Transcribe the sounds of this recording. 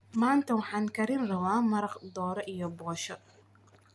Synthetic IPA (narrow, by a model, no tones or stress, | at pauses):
maːnt̪ʰɐwɑħɑːŋkʰɐɾɪnrɐwaːmɐɾɐqd̪ɔːɾɔʔijɔbɔːʃɔ